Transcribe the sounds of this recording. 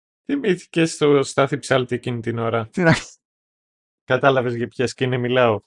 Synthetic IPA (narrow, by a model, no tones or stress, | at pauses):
θimiθi̥ce̞st̪ost̪ɐθipsɐlt̪ie̞cinit̪ino̞ɾɐt̪inɐçi̥ | kɐt̪ɐlɐve̞zʝɐpçesceinemilɐo